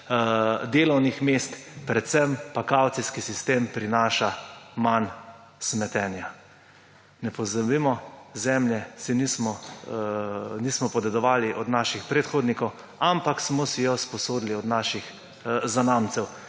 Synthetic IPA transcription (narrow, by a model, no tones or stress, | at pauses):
d̪eːlɔwnixmest̪pɾɛt̪sɛmpakawt̪siskisist̪eːmpɾinaːʃaman | smɛt̪ɛːnja | nɛpɔzabimɔzɛmljɛsinismɔ | niːsmɔpɔd̪ɛd̪ɔʋaːliʔɔd̪naʃixpɾet̪xoːd̪nikɔw | ampaksmɔsijɔspɔsoːd̪liɔd̪naʃix | zanaːmt̪sɛw